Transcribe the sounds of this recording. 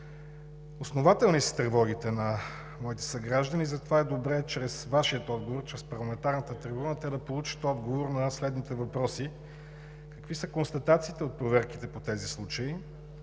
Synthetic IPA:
osnovat̪ɛlˠnisə̥t̪ɾɛvɔɡ̟it̪ɛnɐ | mɔit̪ɛ̥sɐɡɾaʒd̪ənizɐt̪ovaɛd̪obɾɛt͡ʃɾɛsvaʃiət̪ɔd̪ɡovoɾt͡ʃɾɛspɐɾlˠɐmɛnt̪aɾnət̪ət̪ɾɛbunət̪ɛd̪ɐpolˠut͡ʃə̥t̪ɔd̪ɡovoɾnɐslɛd̪nit̪ɛvɐpɾɔsi | kɐkvisəkonst̪ɐt̪at̪siːt̪ɛot̪̚pɾovɛɾki̥t̪ɛpot̪ɛzislˠut͡ʃəi

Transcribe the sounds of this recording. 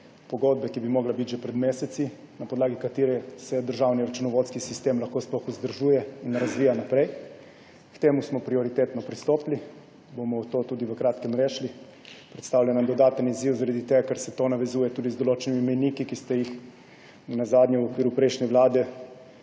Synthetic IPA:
pɔɡod̪̚bɛkibimɔɡlabit̪ʒɛpɾɛd̪meːsɛt̪si | napod̪laːɡikat̪iːɾɛsɛd̪əɾʒawniɾat͡ʃunɔʋoːt̪skisist̪eːmlaxkoːsplɔxuzd̪əɾʒujɛinɾazʋiːjanapɾɛj | kt̪eːmusmɔpɾiɔɾit̪eːt̪nɔpɾist̪oːpli | bomɔt̪oːt̪uːd̪iʋəkɾaːt̪kɛmɾeːʃli | pɾɛt̪st̪aːwlʲjanad̪ɔd̪aːt̪əniziwzaɾad̪it̪eːɡakaɾsɛt̪oːnaʋɛzuːjɛt̪uːd̪izd̪ɔloːt͡ʃɛnimimɛjnikikist̪ɛjix | nɛnazaːd̪nʲɛwɔkʋiːɾupɾɛjʃnɛʋlaːd̪ɛ

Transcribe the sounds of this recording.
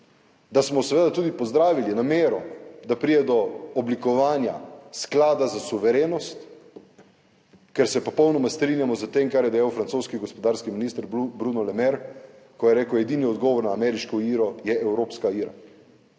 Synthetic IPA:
d̪asmɔsɛʋeːd̪at̪uːd̪ipɔzd̪ɾaːʋilinameːɾɔd̪apɾijɛd̪ɔːblikɔʋaːnja̰sklaːd̪azasuʋɛɾeːnɔst̪ | kɛɾsɛpɔpɔwnɔmast̪ɾinjamɔzət̪emkaɾjɛd̪ɛjawfɾant̪soːskiɡɔspɔd̪aːɾskiminiːst̪əɾbɾunɔlɛmɛɾ | kɔjɛɾeːkwɛd̪iniɔd̪ɡɔːʋɔɾnaːmɛɾiʃkɔiːɾɔjɛʔɛwɾoːpskaiːɾa̰

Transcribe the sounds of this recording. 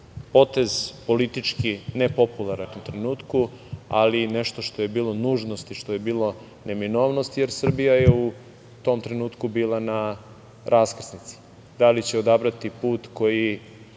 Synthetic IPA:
po̞t̪ezpo̞lit̪it͡ʃkinepopulˠaɾanut̪ɾenuːt̪ku | a̰lineʃt̪o̞ʃt̪ojebiːlˠo̞nuːʒnost̪iʃt̪o̞je̞biːlˠo̞ | ne̞mino̞ːʋno̞st̪ijeɾsr̩bijajeu | t̪o̞mt̪ɾenuːt̪kubiːlˠana | ɾʔaskr̩snit̪si̥ | d̪alit͡ɕeo̞d̪abɾat̪ipuːt̪ko̞ji

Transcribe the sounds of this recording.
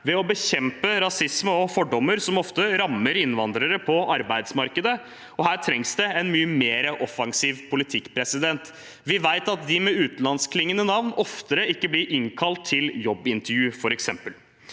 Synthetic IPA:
ʋɛɔbəçɛmpəɾɑsɪsməɔfɔɖɔmːəɾsɔmɔft̪əɾɑmːəɾɪnʋɑnd̪ɾəɾəpʰɔʔɑɾbæɪd̪smɑɾkəd̪ə | ɔhæːʈ̪ʰɾɛŋsd̪ɛɛnmyːəmeːɾəʔɔfɑŋsiːʋpʰʊlɪt̪ʰɪkːpʰɾɛsɪd̪ɛnt̪ | ʋɪʋæɪt̪ɑt̪̚d̪ɪmɛʉːt̪nlɑnskʰlɪŋːənənɑʋnɔft̪əɾəɪkːəblɪɾʔɪŋkʰɑlt̪ʰːɪljɔbːɪnt̪əɾjʉːfɔɾɛksɛmpəl

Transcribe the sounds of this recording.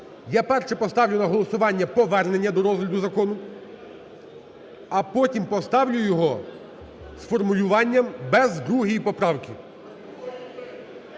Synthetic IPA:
japɛrʃɛpɔst̪ɑwlʲʊnɐɦɔlˠɔsʊʋɑnʲːɐpɔʋɛrne̞nʲːɐd̪ɔɾɔzɦlʲɐd̪ʊzɐkɔnʊ | ɐpɔtʲimpɔst̪ɑwlʲʊjɔɦɔ | sfɔrmʊlʲʊʋɑnʲːɐmbɛzd̪ɾuɦijipɔpɾɑwkʲɪ

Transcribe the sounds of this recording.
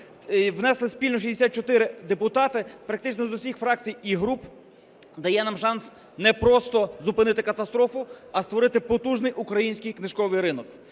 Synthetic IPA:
ʋnɛslˠɪsʲpʲilʲnɔʃ̬isʲd̪esʲat̪̚t͡ʃɔt̪ɪɾɪd̪epʊt̪ɑt̪ɪpɾɐk̚t̪ɪt͡ʃnɔzʊsʲixfɾɑk̚t͡sʲijiɦɾup | d̪ɐjɛnɑmʃɑns | nɛpɾɔst̪ɔzʊpɪnɪt̪ɪkɐt̪ɐst̪ɾɔfʊɐst̪ʋɔɾɪt̪ɪpɔt̪uʒnɪjʔukɾɐjinʲsʲkɪjknɪʒʃkɔʋɪjɾɪnɔk

